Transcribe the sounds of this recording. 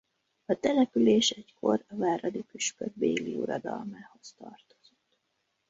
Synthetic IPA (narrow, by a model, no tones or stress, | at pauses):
ɒt̪ɛlɛpyleːʃɛckʰo̞rɒvaːɾɒd̪ikyʃpød̪beːliuɾɒd̪ɒlmaːho̞st̪ɒrt̪o̞̥z̥ot̪ː